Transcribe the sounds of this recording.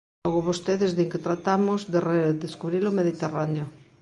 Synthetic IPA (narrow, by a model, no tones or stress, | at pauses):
ɔɣoβost̪eðezðeŋket̪ɾat̪amozðereðeskuβɾilomeðit̪eraneo